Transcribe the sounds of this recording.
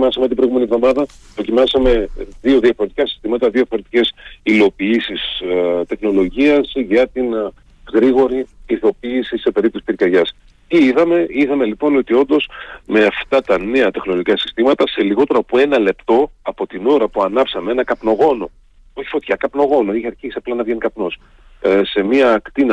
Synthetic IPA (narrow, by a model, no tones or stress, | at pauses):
mɐsɐmet̪ibɾoiɣume̞nivðo̞mɐðɐ | pɾo̞cimɐsɐme̞ðio̞ðiɐfo̞ɾe̞t̪ikɐsi̥st̪imɐt̪ɐðioɐfo̞ɾe̞t̪ice̞silo̞piisist̪e̞xno̞lo̞ʝiɐsʝɐt̪in | ɣɾiɣo̞ɾiiθo̞piːsise̞pe̞ɾip̚t̪osi̥piɾcɐɾʝɐs | iiðɐme̞iðɐme̞lipo̞no̞t̪io̞nd̪o̞sme̞ɐft̪ɐt̪ɐneɐt̪e̞xno̞loʝikɐsi̥st̪imɐt̪ɐse̞liɣo̞t̪e̞ɾopoe̞nɐle̞pt̪o̞ɐpo̞t̪ino̞ɾɐpuɐnɐpsɐmeenɐkɐpno̞ɣo̞no̞ | o̞çi̥fo̞t̪çɐkɐpno̞ɣo̞no̞içɐɾçisiɐplɐnɐvʝenikɐpno̞s | se̞miɐːkt̪inɐ